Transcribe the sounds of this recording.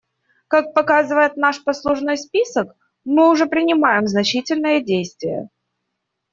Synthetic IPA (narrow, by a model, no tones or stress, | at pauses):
kak̚pɐkazɨvəjɪt̪naʂpɐslˠʊʐnojspʲisək | mɨʊʐɛpɾʲɪnʲɪmajɪmznɐt͡ɕitʲɪlʲnɨjədʲejst̪vʲɪjə̰